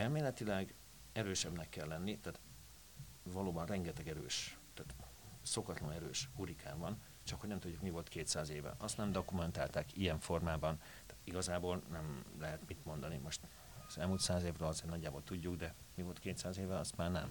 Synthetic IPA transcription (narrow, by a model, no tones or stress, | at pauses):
ɛlmeːlɛt̪ilɛɡ | ɛɾøːʃɛbnɛkːɛlːɛnːit̪aːt̪ | vɒloːbɒnrɛŋɡɛt̪ɛɡɛɾøːʃt̪aːt̪ | so̞kɒt̪lɒnɛɾøːʃhuɾikʰaːɱvɒn | t͡ʃɒkho̞ɟnɛmt̪udɟːukmivo̞lt̪keːt̪saːzeːvɛ̰ʔɒst̪nɛmd̪okumɛnt̪aːlt̪aːkijɛɱfo̞rmaːbɒn | t̪aːt̪iɡɒzaːbolnɛmlɛɦɛt̪mit̪mo̞nd̪ɒnimo̞ʃt̪ | ɒzɛlmuːlt̪saːzeːvrøːlɒzeːrnɒɟːaːbo̞lt̪uɟːuɡd̪ɛmivo̞lt̪keːt̪saːzeːvɛɒst̪maːrnɛ̰m